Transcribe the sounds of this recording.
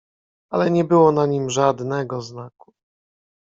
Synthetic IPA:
alɛɲɛbɘwɔnaɲimʐad̪nɛɡɔznaku̥

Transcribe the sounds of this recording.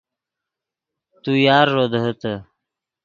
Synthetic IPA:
t̪ujɑːɾːod̪ɦət̪ə

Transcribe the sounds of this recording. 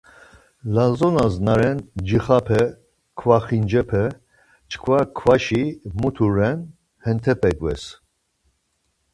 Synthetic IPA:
lazɔnaznaɾɛnd͡ʒiχapʰɛ | kʰvaχind͡ʒɛpʰɛ | t͡ʃʰkʰvakʰvaʃimut̪ʰuɾɛn | hɛnt̪ʰɛpʰɛkʼvɛ̰s

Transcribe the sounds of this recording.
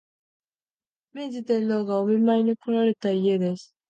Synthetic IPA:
med͡ʑit̪enːoɡaomimaiɲ̟ikoɾaɾe̞t̪aije̞d̪e̞sɨ̥

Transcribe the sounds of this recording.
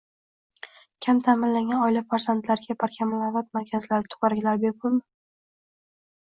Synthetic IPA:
kʲʰamt̪ʰamɪnlaŋɡʲanɒjlafaɾsant̪laɾɪɡʲapʰaɾkʲʰamalavat̪̚maɾkʲʰazlaɾɪt̪ʰʊ̥qɑɾaɡʲlaɾbekʰʊlˠmɪ

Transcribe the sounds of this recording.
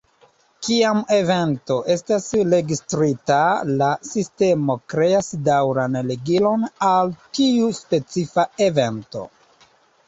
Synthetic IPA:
kiame̞ve̞nto̞ʔe̞stasɾe̞ɡistɾitalasiste̞mo̞kɾe̞asdawɾanleɡilo̞naltiuspe̞t͡sifae̞ve̞nto̞̰

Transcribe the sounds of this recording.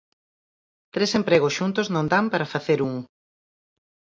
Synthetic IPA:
t̪ɾesempɾeɣosʃunt̪ʊznõnd̪ampaɾafaθeɾuŋ

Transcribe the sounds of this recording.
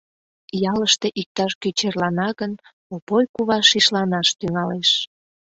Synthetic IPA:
jɑləʃt̪eʔik̚t̪ɑʃkyt͡ɕerlɑnɑɣən | opojkuβɑʃiʃlɑnɑʃt̪yŋɑleʃ

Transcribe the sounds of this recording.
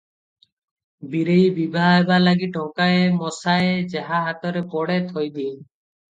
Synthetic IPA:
biɾejbibʱaebalaɡiʈɔŋkaemɔsaed͡ʒeɦaɦat̪ɔɾepɔɽet̪ʰojd̪iɲ

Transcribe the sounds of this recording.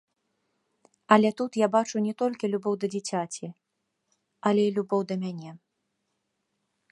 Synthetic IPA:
ɐlʲɛt̪ut̪jabat͡ʂunʲɛt̪ɔlʲkʲilʲubɔwd̪ɐd͡zʲit͡sʲat͡sʲi | ɐlʲɛilʲubɔwd̪ɐmʲanʲɛ

